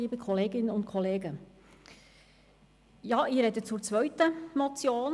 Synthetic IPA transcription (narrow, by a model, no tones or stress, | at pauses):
iːbəkʰɔleːɡɪnənʊntkʰɔleːɡə | jɑːɪɾɛdət͡suːɾt͡sʋœɥtəmɔt͡sjoːn